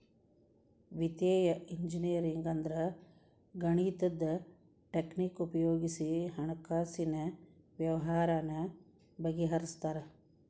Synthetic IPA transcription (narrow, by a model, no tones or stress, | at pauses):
ʋit̪eːjɐʔiɲd͡ʒinijɐɾiŋɡɐnd̪ɾɐ | ɡɐɳiːt̪ɐd̪ːɐ | ʈeknikupɐjoːɡisiɦɐɳɐkaːsinɐ | ʋjɐʋɐɦaːɾaːnɐ | bɐɡiɦɐɾist̪aːɾe